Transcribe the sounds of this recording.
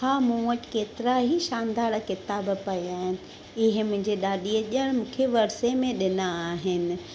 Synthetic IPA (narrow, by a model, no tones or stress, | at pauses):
aːmũːəʈkeːt̪ɪɾaɦiʃaːnd̪aːɾkɪt̪aːbpɐjaːɦɪnɪ̆ | ɪɦɪ̆mʊ̃ɦɪ̃ɲd͡ʑeɗaːɗiəʄəɽ̃mũːkʰeʋɐɾsemẽɗɪnaːɦɪnɪ̆